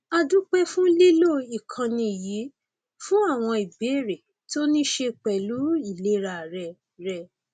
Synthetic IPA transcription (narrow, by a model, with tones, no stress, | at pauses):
a˧du˦k͡pɛ˦fũ˦le˦lo˦˨i˨kʰã˧nĩ˧˨ji˨˦ | fũ˦a˦˨w̃ɔ̃˧i˨be˨˦˨ɾe˨ | to˦nĩ˦ʃe˧k͡pɛ˨lu˨˦i˦˨le˨˦ɾa˧˨ɾɛ˧ | ɾɛ˧˨